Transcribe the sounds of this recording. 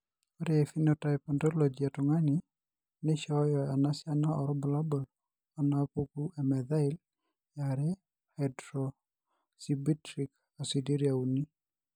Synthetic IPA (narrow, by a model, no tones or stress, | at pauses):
ɔɾɛefinɔtajpɔndɔlod͡ʒiatʊŋanɪ | nɪʃɔjɔanasɪanaɔɾɔbɔlabɔl | anapokuɛmɛðaɪl | jaɾɛ | hadɾɔ | sibitɾik | asidiɾjauni